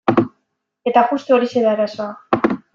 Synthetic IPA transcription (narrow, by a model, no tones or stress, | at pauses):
e̞t̪apust̪eo̞ɾise̞ɾaeɾaso̞a